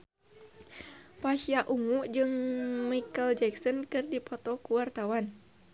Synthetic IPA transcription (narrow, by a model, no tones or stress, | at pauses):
paʃiaʔumuʔd͡ʒɨŋmikəld͡ʒɛksɔnkɨrdipɔt̪ɔkuwart̪awan